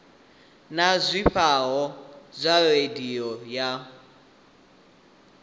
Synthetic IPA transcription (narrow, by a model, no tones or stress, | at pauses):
nazʷiɸaɦɔzʷarediɔja